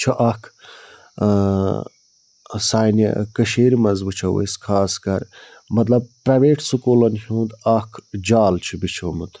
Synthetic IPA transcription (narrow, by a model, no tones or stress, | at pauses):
t͡ʃʰɐʔɐkʰ | saːjnɐ̰kɐʃeːɾimɐnzbɨt͡ʃʰɐwḛskʰaːskɐɾ | mɐt̪lɐb̚pɾɐjʋeːʈsukoːlɐnhũːd̪ɐkʰd͡ʒaːlt͡ʃʰibit͡ʃʰomut̪ʰ